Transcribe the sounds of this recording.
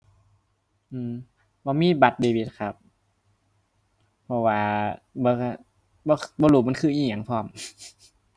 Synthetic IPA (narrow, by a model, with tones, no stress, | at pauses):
ʔɯː˧˨m | bɔː˧miː˧˥˨ba˧˦t̪̚beː˧˩bi˧˩t̪̚kʰa˧˩p̚ | pʰːɔ˧waː˧bɔː˧ka˧˩ | bɔː˧˦˧bɔː˧luː˨˩ma˧˨nkʰɯː˧˩˨ʔiː˧˩˨ɲa˨˦ŋpʰɔː˧˩m